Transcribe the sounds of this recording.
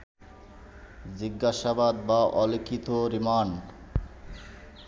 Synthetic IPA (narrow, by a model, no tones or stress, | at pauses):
d͡ʑiɡːaʃabad̪baʔɔlekʰit̪oɾiman